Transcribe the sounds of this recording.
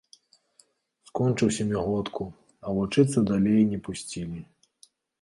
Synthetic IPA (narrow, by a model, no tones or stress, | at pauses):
skɔnt͡ʂɨwsʲɐmʲiɣɔt̪kʰu | ɐvut͡ʂɨt̪sɐd̪alʲejnʲɛpusʲt͡sʲilʲi